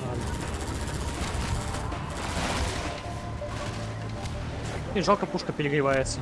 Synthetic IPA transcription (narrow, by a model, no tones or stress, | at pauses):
alʲɪ | iʐalˠkəpuʂkəpʲɪɾʲɪɡɾʲɪvajɪt̪sə